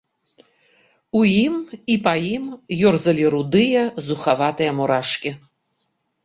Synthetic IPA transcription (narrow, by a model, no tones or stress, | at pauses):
ujimipɐjimjɔrzɐlʲiɾud̪ɨjɐzuxavat̪ɨjɐmɔɾaʂkʲi